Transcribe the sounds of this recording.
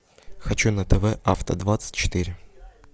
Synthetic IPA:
xɐt͡ɕunət̪ɛvɛʔaft̪ə̰d̪vat̪sɨ̥tʲt͡ɕːɪ̥t̪iɾʲɪ

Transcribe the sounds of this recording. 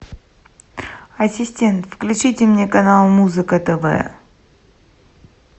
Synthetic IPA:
ɐsʲɪsʲtʲe̞nt̪fklʲʉt͡ɕitʲɪmnʲekɐnalˠmuzɨkət̪əvɛ̰

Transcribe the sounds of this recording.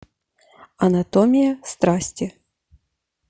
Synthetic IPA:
ɐnat̪ɔmʲijɐst̪ɾasʲt͡sʲi

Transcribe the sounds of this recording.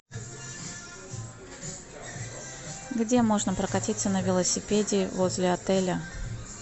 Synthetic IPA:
ɡdʲe̞mo̞ʐnəpɾəkɐtʲit̪sənəvʲɪlˠəsʲɪpʲedʲɪːvozʲlʲɪɐt̪ɛlʲə

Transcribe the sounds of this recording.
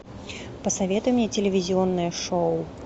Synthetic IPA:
pɐsavʲɛt̪ujɛmʲnʲɛt͡sʲelʲɪvʲizʲiɔnːɨjɐʂow

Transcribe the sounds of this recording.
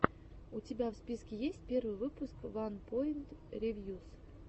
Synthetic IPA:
ʊtʲɪbʲafspʲiskʲɪjesʲtʲpʲe̞rvɨjvɨpʊskvanpoɪnt̪ɾʲevʲjus

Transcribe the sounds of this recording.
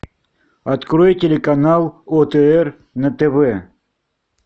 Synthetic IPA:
ɐt̪kɾojtʲelʲɪkɐnalˠɔt̪ɛɛr | nɐt̪ɛvɛ

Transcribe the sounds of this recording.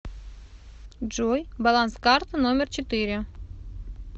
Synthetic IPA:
ʐojbalˠanskɑrt̪ənomʲɪrt͡ɕɪt̪ɨɾʲɪ

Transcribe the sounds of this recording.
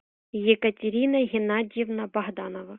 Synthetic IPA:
jɛkɐtʲeɾʲinɐɦʲɪnadʲjɛvnɐbɐɦd̪ɑnɔvɐ

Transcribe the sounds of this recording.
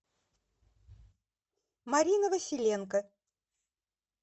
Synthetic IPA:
mɐɾʲinəvəsʲɪlʲenkə

